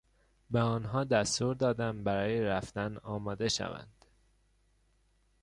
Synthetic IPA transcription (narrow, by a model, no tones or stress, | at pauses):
beɒːnɦɒːd̪æst̪uːɾd̪ɒːd̪æmbæɾɒːjeɾæft̪ænɒːmɒːd̪e̞ʃæ̰væ̰nd̪̥